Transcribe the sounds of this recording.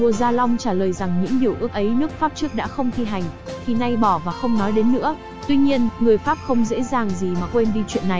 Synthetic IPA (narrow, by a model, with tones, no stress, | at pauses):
u˧˩əzaː˧la˧wŋ͡mt͡ɕaː˧˩ləː˨˩jza˨˩ŋɲɨ̰˧˥ŋɲi˨˩əwʔɨ˦˥ək̚ʔə˨˦jnɨ˦˥ək̚faː˦˥p̚t͡ɕɨ˦˥ək̚ɗa̰ː˧˥xə˧wŋ͡mt̪ʰi˧ɦa˨˩jŋ̟t̪ʰi˨˧˩na˧jɓɔ˧˩vaː˨˩xə˧wŋ͡mnɔ˨˦jɗe˨˦nːɨ̰˧˥ə | t̪wi˧ɲi˧ənŋɨ˨˩əjfaː˦˥p̚xə˧wŋ͡mzḛ˧˥zaː˨˩ŋzi˨˩maː˨˩kwe˧nɗi˧t͡ɕwḭ˧˨ənːa˨˩j